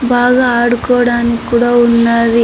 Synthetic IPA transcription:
baːɡaaːɽukɔːɽaːnikːuːɽaːunːaɾi

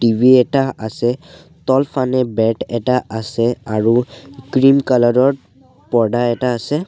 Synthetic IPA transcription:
ʈibʱiɛtaasɛ | tɔlpʰanɛbɛʈɛtaʔasɛaɹukɹimkalɔɹɔɹ | pɔdaɛtaːsɛ

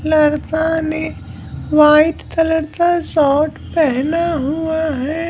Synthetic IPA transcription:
lɐɾt̪ane | ʋaːɪt̪t̪ɐləɾt̪asɔːʈpɛɦnaɦuaɦɛː

